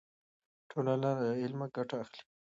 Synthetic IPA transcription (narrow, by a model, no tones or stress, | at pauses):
ʈʰolalanɪlmaɡaʈaːxli̥